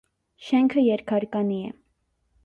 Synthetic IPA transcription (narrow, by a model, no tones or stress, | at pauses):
ʃɛŋkʰəjɛɾkʰɑɾkɑniɛ̰